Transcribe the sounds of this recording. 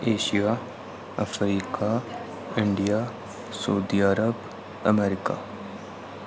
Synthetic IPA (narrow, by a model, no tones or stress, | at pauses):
eːʃijaː | ɐfɾiːka | ɪɳɖija | sɐud̪iːəɾəb | ɐ̰meːɾɪka̰ː